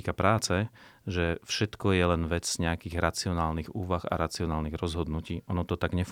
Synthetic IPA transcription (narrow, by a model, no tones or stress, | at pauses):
kapɾaːt͡sɛʒɛfʃɛt̪kɔjɛlɛnʋɛd͡zz̥ɲɛakiːɣɾat͡siɔnaːlniɣuːʋaɣa̰ɾat͡siɔnaːlniɣɾɔzɦɔd̪nuciːʔɔnɔt̪ɔt̪aɡɲɛf